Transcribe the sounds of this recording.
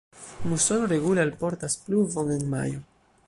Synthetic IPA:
muso̞noɾe̞ɡulalpo̞ɾtaspluvo̞ŋe̞nma̰jo

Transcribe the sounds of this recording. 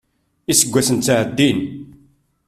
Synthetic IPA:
isəɡʷːæsənt͡sːaʕəd̪ːin

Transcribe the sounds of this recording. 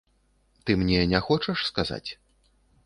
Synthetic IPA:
t̪ɨmnʲɛnʲɛxɔt͡ʂɐʂskaza̰t͡sʲ

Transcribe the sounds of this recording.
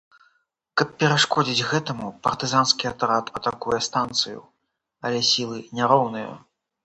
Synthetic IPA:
kɐpːʲɛɾaʂkɔd͡zʲid͡zʲɣɛt̪ɐmupɐrt̪ɨzanskʲiɐt̪ɾat̪ʰɐt̪akujɛst̪ant̪sɨjṵ | ɐlʲɛsʲilˠɨnʲaɾɔwnɨjɐ̰

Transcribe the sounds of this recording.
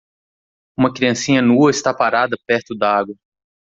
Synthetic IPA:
ũmɐkɾiɐ̃sĩɲɐnuɐɪst̪apaɾad̪ɐpɛɾt̪ʊd̪aaɡwɐ

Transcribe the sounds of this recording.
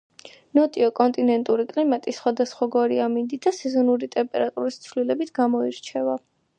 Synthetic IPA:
nɔt̪ʼiɔkʼɔnt̪ʼinɛnt̪ʼuɾikʼlimat̪ʼisχwad̪asχwaɡɔɾiamind̪id̪asɛzɔnuɾit̪ʼɛmpʼɛɾat̪ʼuɾist̪sʰvlilɛbit̪ʰɡamɔiɾt͡ʃʰɛva

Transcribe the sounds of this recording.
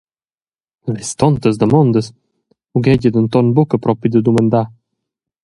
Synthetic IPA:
vist̪ɔnt̪əzd̪əmɔnd̪əs | uɡɛɟəd̪ənt̪ɔnbukəpɾɔpid̪əd̪umənd̪a

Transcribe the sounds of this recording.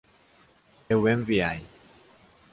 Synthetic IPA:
ewẽɱviaj

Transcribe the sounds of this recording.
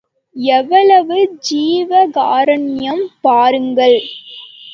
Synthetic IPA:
ɛʋːɐɭɐʋɯd͡ʒiːʋɐɡaːɾɐɳɪjɐmpaːɾɯŋɡɐɭ

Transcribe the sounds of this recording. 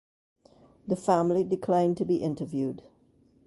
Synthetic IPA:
ðəfæ̃mlidɪkʰl̥ãɪ̃ntʰɨbiʔɪ̃ntəvjʉd

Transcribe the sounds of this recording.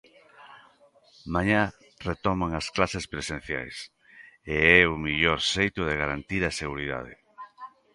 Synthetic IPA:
maɲa | ret̪ɔmaŋɐsklasespɾesẽn̟θja̰js | eɛumiʎɔɾsejt̪ʊðeɣaɾant̪iɾɐseɣuɾiða̰ð̞ḛ

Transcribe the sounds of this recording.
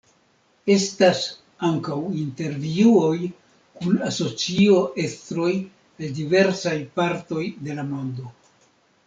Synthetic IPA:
e̞stas | aŋkawinte̞ɾviuo̞j | kunaso̞t͡sio̞ʔe̞stɾo̞j | eldive̞ɾsajpaɾto̞jde̞lamo̞ndo̞

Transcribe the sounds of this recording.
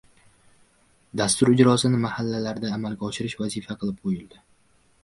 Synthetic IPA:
d̪ast̪ʊɾɪd͡ʒɾɒsɪnɪmahalːalaɾd̪aːmalɡʲaɒʃɪɾɪʃvazɪfaqʰɨlˠɪp̚qʰojɪld̪ɪ

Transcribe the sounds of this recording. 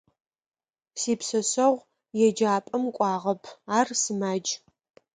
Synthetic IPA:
siːpsɐsɐʁʷ | jɛd͡ʒaːpʼɐmkʷʼɑːʁɐpʰaːrsɨmaːd͡ʒ

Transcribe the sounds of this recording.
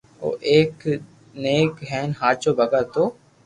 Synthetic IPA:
o̰ːʔeːk | neːkɦɛːnɦaːt͡ʃoːbʱəɡəɾt̪oː

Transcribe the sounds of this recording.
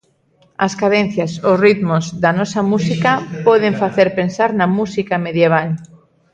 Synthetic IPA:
ɐskaðen̟θjasosrit̪mʊzðanɔsamusikapɔð̞eɱfaθeɾpensaɾnɐmusikameðjeβ̞al

